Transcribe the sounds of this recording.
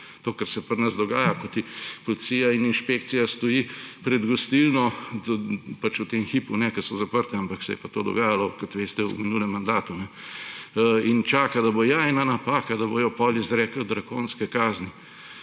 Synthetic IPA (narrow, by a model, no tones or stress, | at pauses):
t̪oːkɐɾsɛpɐɾnɐzd̪ɔɡaːjakot̪ipolit̪siːjaininʃpekt̪sijast̪ojipɾɛd̪ɡost̪ilnɔ | pat͡ʃut̪emxipunɛkɐsɔzapəɾt̪ɛampaksɛ̰jɛ̰pat̪od̪ɔ̰ɡaːjalɔkot̪ʋeːst̪ɛṵminuːlɛmːand̪aːt̪unɛ | int͡ʃaːkad̪ɐbojaɛnanapaːkad̪ɐbojɔpɔːlizɾɛːkəld̪ɾakoːnskɛkaːzni